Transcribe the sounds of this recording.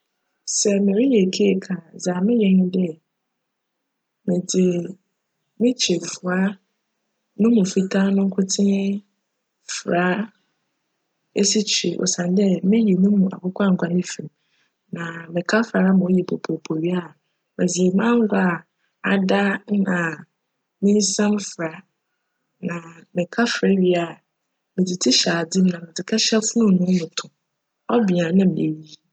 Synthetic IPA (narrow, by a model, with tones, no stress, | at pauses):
sɛ˨mɪ̃˨ɾi˦jɛ˨kʰe˦e˨kʰa˨za˨mɪ̃˦jɛ̃˨n˦dɛ˦ | mɪ̃˨dɪ˨ | mɪ̃˦t͡ɕʰe˨fʊ˨a˦ | nʊ̃˦mũ˨fi˦tʰa˦nʊ̃˦ŋ̩˦kʰʊ˦tʰɪ̃˦ | fɾa˦ | e˦si˦t͡ɕʰi˨ʔɔ̰˨sã˨n˦dɛ˦mɪ̃˦ji˨nũ˦mũ˨a̰˨kʊ˦kʷʰa˦ŋ̩˨kʷa˨nɪ̃˦fĩ˨m | nã˨mɪ̃˨kʰa˦fɾa˨a˦mã˨˦jɛ˨pʰo˨pʰo˨pʰo˨ɥi˦a˦˨ | mæ̃˨zi˨e˨mã˦ŋ˦ɡʷa˦˨ | a˨da˦nã˨ | mɪ̃˦n˦sã˦mfɾa˨˦ | nã˨mɪ̃˨kʰa˦fɾɛ˦ɥi˨a˦˨ | mɪ̃˨dɪ˨tʰɪ˦ɕa˨dĩ˦m˦nã˨mɪ̃˨d͡zɪ˨kʰa˦ɕɛ˦fʊ˦nʊ̃˦˨nʊ̃˦nʊ̃˨tʰʊ̃˨ | ɔ˦bi˨ã˨nã˦m̃˨ḛ˨ɥi˦